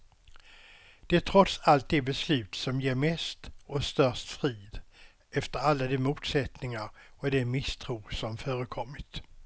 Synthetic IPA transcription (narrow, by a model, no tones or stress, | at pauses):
d̪̥ɛæʈʰɾɔt̪salt̪̚d̪ɛbɛslʉ̟ːt̪sɔmjeːɾmɛst̪ɔst̪œʂt̪fɾiːd̪ | ɛft̪əɾalːad̪ɛmuːt̪sɛt̪nɪŋaɾɔd̪ɛmɪst̪ʰɾuːsɔmfœːɾəkʰɔmːɪt̪